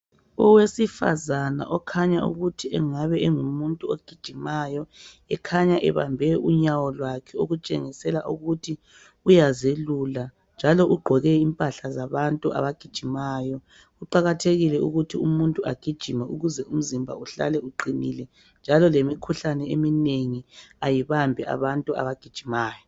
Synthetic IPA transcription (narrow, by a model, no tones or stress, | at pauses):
ɔwesifa̰zana̰ʔɔkʰaɲaṵɣutʰiɛ̰ŋaβɛɛŋumuntʼuoɡ̥ʱid̥ʒ̥ʱimajɔ | ɛkʰaɲaʔɛβa̰mbʱɛʔuɲawɔlwakʰɛoɣut͡ʃʼḛŋisɛlaʔuɣutʰi | ujazelula | nd͡ʒʱalɔʔuɡ͡ǃʱɔɣɛimpʼaɬazaβantʼuʔa̰βaɡ̥ʱid̥ʒ̥ʱimaːjɔ | uǃaɣatʰeɣilɛṵɣutʰiumuntʼuʔaɡ̥ʱid̥ʒ̥ʱimɛuɣuzɛʔum̩zimbʱa̰uɬa̰lɛuǃinilɛ | nd͡ʒʱalɔlemikʰuɬanɛemineŋiajiβambʱɛʔa̰βantʼua̰βaɡ̥ʱid̥ʒ̥ʱimaːjɔ